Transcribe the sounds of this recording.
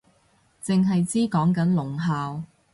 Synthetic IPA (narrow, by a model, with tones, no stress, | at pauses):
t͡sɪ˨ŋɦɐ˨jt͡siː˥kɔː˨˥ŋkɐ˨˥nlʊ˨˩ŋɦaː˨w